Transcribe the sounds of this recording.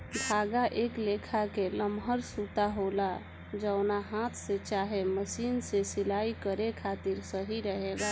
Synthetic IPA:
bʱaɡaʔeklekʰakeləmɦəɾsut̪aɦola | d͡ʒəʊnaɦat̪ʰset͡ʃaɦeməsinsesilaikəɾekʰat̪iɾsəɦiɾəɦeɡa

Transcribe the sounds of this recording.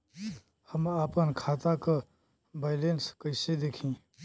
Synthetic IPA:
həmaːpənkʰaːt̪aka | baːɪlenskəɪsed̪eːkʰĩː

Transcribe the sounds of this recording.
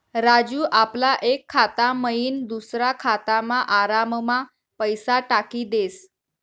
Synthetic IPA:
ɾad͡ʑuːʔaplaʔekʰːat̪aməjiːnd̪usɾakʰat̪amaʔaɾamma | pəjsaʈakiːd̪es

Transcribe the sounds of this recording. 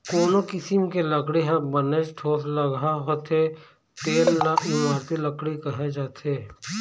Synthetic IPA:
koːnokɪsɪmkeləkɽiɦãbəneʃʈʰoːsləɡʱaɦoːt̪ʰe | t̪eːlnaɪmaːɾt̪iləkɽikəɦed͡ʒaːt̪ʰeː

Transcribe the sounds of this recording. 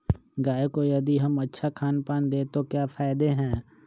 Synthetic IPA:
ɡaːekojɐd̪iɦɐmətːʃʰakʰaːnpaːnd̪eːt̪okjaːfʰaːɪd̪eɦɛ̃ː

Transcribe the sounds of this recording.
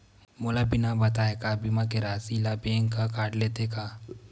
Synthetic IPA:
molabɪnabɐt̪aːekabimakeɾaːsilabeːŋkakaːʈleːt̪ekaː

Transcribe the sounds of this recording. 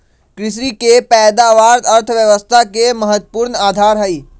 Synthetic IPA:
kɾɪs̬ɾikepɛːd̪aːʋaːɾɐɾt̪ʰʋjəʋəst̪ʰakeməɦət̪ːpuːɾnaːd̪ʱaːɾɦɐiː

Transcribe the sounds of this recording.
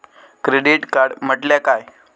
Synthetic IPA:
kɾeɽiʈkaɾɽm̤əʈljakaj

